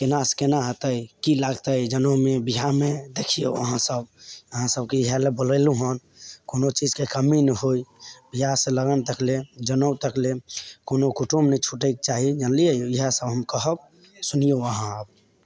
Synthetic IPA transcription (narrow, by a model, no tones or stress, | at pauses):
kenaskenaɦət̪əjkilaɡt̪əjd͡ʒənəwmebiɦamed̪ekʰijoəɦãsəbəɦãsəbkeiɦəlebələjluɦən | konot͡ʃid͡ʒkekəminəɦoibiɦaseləɡənt̪əkled͡ʒənəwt̪əklekonokuʈumnət͡ʃʰuʈək̚t͡ʃaɦid͡ʒənlijəjoiɦasəbɦəmkəɦəb̚ | sunijoəɦãəb̚